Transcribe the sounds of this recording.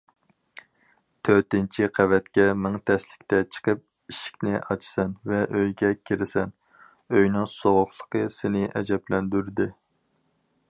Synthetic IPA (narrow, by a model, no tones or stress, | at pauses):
t̪ʰøɾt̪ɪnt͡ʃʰiqʰævɛt̪kʲɛmɪŋt̪ʰɛslɪkʲt̪ʰɛt͡ʃʰə̥qʰəp̚ | iʃi̥kʲnɪʔɑt͡ʃʰsɛnvɛʔøjɡʲɛkʲʰeɾɪsɛn | øjnɨŋsoʁʊχlˠə̥qʰəsɪnɪʔɛ̰d͡ʒɛplɛnd̪yɾd̪ɪ